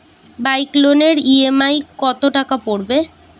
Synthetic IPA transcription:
bajkloneɾiemajkɔt̪oʈakapoɽbe

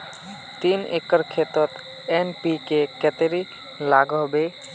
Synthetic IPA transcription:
t̪inḛkəɾkʰet̪ɔt̪ | enpikekɛt̪eɾi | laɡɦɔbe

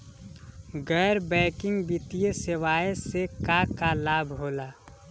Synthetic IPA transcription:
ɡɛːɾbɛ̃ːkɪ̃ŋɡbɪt̪ijesɪʋaːesekakalaːbʱɦoːlaː

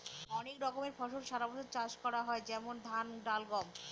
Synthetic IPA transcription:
ɔnekɾɔkomeɾbʰʱɔʃoɾʃaɾabɔt͡ʃʰoɾt͡ɕaʃkɔɾaɦɔed͡ʑɛmond̪ʱanɖalɡɔm

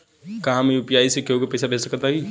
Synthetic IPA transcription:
kaɦãmeʊpjaːisekeokepɛjsabʱesəkːəɾt̪aki

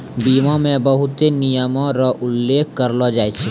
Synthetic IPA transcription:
biːmamẽbəɦʊt̪enijəmãɾɔʔʊlːeːkʰkəɾlɔd͡ʒaːet͡ʃʰe

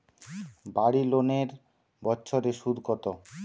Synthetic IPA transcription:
baɽiloneɾ | bɔtːɕʰoɾeʃud̪ʱkɔt̪o

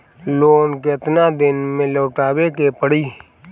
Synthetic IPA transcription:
loːnkɪɪt̪nad̪ɪnmẽloːʈaːwekepəɽiː

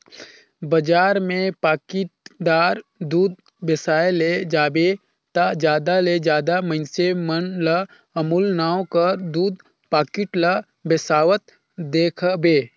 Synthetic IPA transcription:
bəd͡ʒaːɾmẽpaːkɪʈd̪aːɾd̪uːd̪̚ | bɪsaːeled͡ʒaːbe | t̪ad͡ʒjaːd̪aled͡ʒjaːd̪amə̃ɪnsemənlə | əmulnaːwkəd̪uːd̪ | paːkɪʈlə | bɪsaːʋət̪̚ | d̪eːkʰbeː

